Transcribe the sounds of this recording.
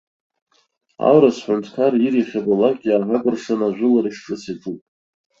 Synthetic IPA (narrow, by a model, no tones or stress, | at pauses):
a̰wɾasħʷʊntʰkʰariɾiχʲabalakʲʼaħaɡʷʼɨrʂanaʒʷʊlaɾiʂʈ͡ʂʼɨsitʰʼupʼ